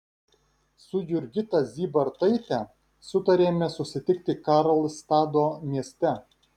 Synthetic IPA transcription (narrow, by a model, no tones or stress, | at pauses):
sʊjʊɾʲɡʲɪt̪ɐzʲiːbɐɾt̪ɐɪt̪ʲɛ | sʊt̪ɐɾʲeːmʲɛsʊsʲɪt̪ʲɪkt̪ʲɪkɑɾɐlʲˠst̪ɑːd̪oːmʲiɛsʲt̪ʲɛ